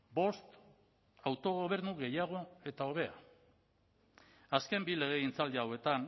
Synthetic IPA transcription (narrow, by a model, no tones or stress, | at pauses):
bo̞st̪ | awt̪o̞ɣ̞o̞β̞e̞ɾnuɣe̞jaɣ̞o̞e̞t̪ao̞β̞e̞a̰ | aske̞mbile̞ɣ̞e̞int͡sald̪iawe̞t̪an